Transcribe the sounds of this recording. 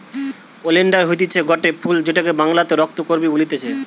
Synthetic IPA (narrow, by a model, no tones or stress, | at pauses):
oleɳɖaɾɦot̪it͡ɕʰeɡɔʈepʰuld͡ʑeʈakebaŋlat̪eɾɔk̚t̪okoɾbibolit̪et͡ɕʰe